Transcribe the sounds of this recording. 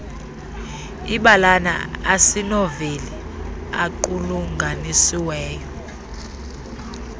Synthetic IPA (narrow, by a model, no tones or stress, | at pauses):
iɓalana̰asinoveli | akuluŋɡʱanisiwɛːjɔ